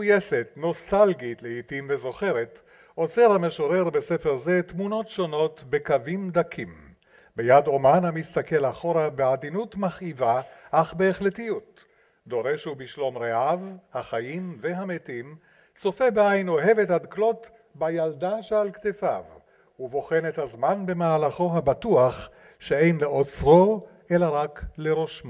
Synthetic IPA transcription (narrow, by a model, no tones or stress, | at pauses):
ujesetno̞stalɡitleitimvezo̞χe̞ʁet | ʔo̞t͡seʁhame̞ʃoʁe̞ʁbesefe̞ʁze̞t̪muno̞tʃo̞no̞tbe̞kavimd̪akʰim | bejad̪o̞manhamist̪ake̞laχoɾabeadinutmaχivaʔaχbeːχlet̪ijut̪ | d̪o̞ʁe̞ʃubiʃlo̞mɾeʔavhaχajimveɦamet̪im | t͡so̞febeajnoɦe̞vet̪had̪klo̞t̪ | bajald̪aʃealkt̪efa̰v | uvo̞χe̞net̪hazmanbe̞maalaχo̞ɦabat̪uaχ | ʃee̞jnleʔot͡sʁo | ʔe̞laʁakleɾo̞ʃma